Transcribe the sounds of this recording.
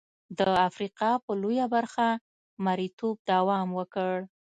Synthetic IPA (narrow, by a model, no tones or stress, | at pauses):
d̪əafɾiqɑpəlojabaɾxa | maɾit̪ob̚d̪awɑmwəkəɽ